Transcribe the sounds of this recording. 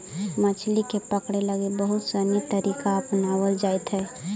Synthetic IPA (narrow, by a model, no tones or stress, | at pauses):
mət͡ʃʰlikepəkɽeləɡebəɦʊt̪sənit̪əɾiːkaɐpnaːwəld͡ʒaːet̪ɦɛː